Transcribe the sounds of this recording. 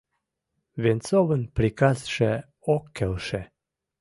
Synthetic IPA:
vent͡sovənpɾikasʃe | okːelʃe

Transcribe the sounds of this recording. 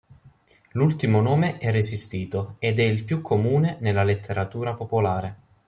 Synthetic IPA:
lult̪imonoːmeʔɛrːesist̪iːt̪oed̪ɛilpjukʰːomuːnenelːalet̪ʰːeɾat̪uːɾapopolaːɾe

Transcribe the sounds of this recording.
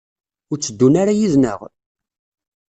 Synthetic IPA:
ʊɾt͡sːəd̪ːunaɾajiðnə̰ʁ

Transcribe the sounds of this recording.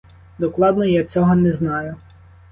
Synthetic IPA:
d̪ɔklˠɑd̪nɔjat͡sʲɔɦɔnɛznɑjʊ

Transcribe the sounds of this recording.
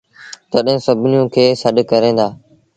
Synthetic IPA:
t̪əɗɦɪ̃ːsəbʱɪnjũːkʰeːsəɗkəɾẽːnd̪aː

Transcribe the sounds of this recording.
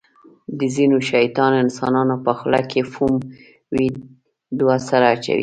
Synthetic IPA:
d̪əzinoʃajt̪ɑnoɪnsɑnɑnopəxla̰kefum | wi | d̪wasaɾaːt͡ʃa̰ɾḭ

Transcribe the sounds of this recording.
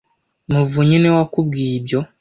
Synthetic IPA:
muvuɲinewakubɡiːibjo̞

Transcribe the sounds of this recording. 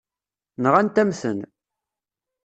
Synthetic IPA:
nəʁænt̪æmθə̰n

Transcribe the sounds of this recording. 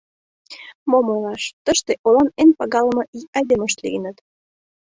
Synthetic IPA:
momolɑʃt̪əʃt̪eʔolɑnenpɑɣɑləmɤ̆ʔiɑjd̪eməʃt̪lḭənət̪

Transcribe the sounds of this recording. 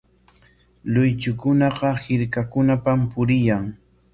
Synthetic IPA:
lʊjt͡ʃʊkʊnɑqɑhɪɾkakʊnapampʊɾɪjaŋ

